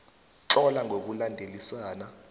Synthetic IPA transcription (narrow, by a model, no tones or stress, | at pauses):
ǁɔlaŋʱok̬ulandʱelisaːna